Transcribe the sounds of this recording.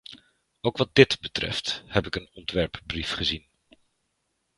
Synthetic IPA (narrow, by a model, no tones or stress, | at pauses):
owkʋɑd̚dɪtbətrɛ̰fthɛpɪkənɔntʋɛɹpbrifχəzin